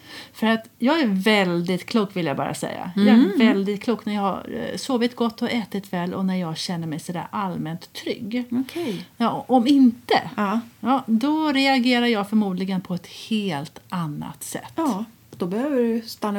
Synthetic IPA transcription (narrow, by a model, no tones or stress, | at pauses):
fœɾat̪jɑːɡæɾvɛld̪ɪt̪kʰluːkvɪljabɑ̰ːɾa̰sɛ̰jːa̰jɑːævɛld̪ɪt̪̚kʰluːknæɾjɑːɡa̰ɾsoːvɪt̪ɡɔt̪ːɔʔɛːt̪ɪt̪vɛːlʔɔ̰næɾjɑːɡɕɛnːəɾmɛjsɔd̪æ̰ɾʔalmɛnt̪ʰːɾʏ̰ɡːɔkʰɛjɑʔɔmɪnt̪ə̰jɑːd̪ɔɾɛaɡeːɾaɾjɑːɡfœɾmuːd̪lɪɡənpʰɔɛt̪heːlt̪anːa̰t̪sɛ̰t̪ːɑː | d̪̥ɔbɛhøːvəɖɵst̪anː